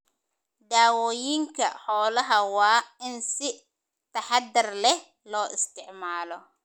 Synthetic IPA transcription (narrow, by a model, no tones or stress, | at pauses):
ɖaːwɔːjiŋkʰɐ̰ħɔːlɐɦɐwɑːɪnsɪ | t̪ʰɐħɑd̪ɪrlɛ | lɔːʔɪst̪ɪʕmaːlɔ